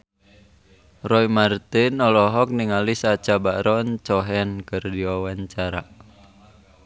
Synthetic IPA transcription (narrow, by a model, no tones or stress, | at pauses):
rɔimart̪ɪnɔlɔɦɔk̚niŋalisat͡ʃabaɾɔnt͡ʃɔɦɛnkɨrdiwawaɲt͡ʃaɾa